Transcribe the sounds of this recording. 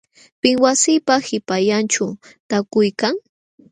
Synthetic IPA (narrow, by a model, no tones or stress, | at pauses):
pɪŋwasɪpahɪpajant͡ʃʊt̪akʊjkaŋ